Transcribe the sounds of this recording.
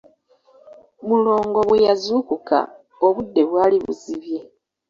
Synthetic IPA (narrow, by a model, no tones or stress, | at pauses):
mulo̞ːŋɡo̞βwe̞jazuːkuka̰ | oβudːe̞βwaːliβṵziβje̞